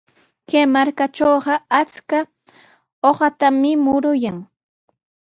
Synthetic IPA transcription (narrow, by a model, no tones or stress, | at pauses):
keːmaɾkat͡ʃoːɢɑat͡ska | oɢɑt̪amɪmʊɾʊjaŋ